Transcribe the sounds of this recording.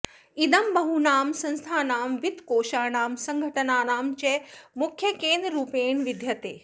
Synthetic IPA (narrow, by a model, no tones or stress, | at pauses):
ɪd̪ɐmbɐɦunaːmsɐ̃nst̪ʰaːnaːmʋɪt̪koːʃaːnaːmsɐ̃ŋɡʱɐʈɐnaːnaːmt͡ɕemʊkʰjɐkẽːnd̪ɾəɾuːpeːnʋɪd̪ʱjɐt̪eː